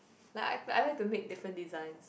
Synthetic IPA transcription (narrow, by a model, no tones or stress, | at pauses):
laɪka̰ɪa̰ɪjlaɪk̚tumek̚dɪfɹə̃ndizãɪ̃ns